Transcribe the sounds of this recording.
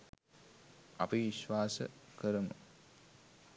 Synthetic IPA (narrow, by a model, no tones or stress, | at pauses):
a̰piʋiʃʋaːsə̰kəɾəmə̰